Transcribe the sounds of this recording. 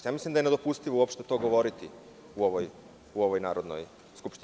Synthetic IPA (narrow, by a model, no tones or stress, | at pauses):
jaːmislimd̪aje̞ned̪opust̪iʋouopʃt̪et̪o̞ɡo̞ʋo̞ɾit̪i | uoʋoj | uo̞ʋo̞jnaːɾod̪no̰j | skupʃt̪i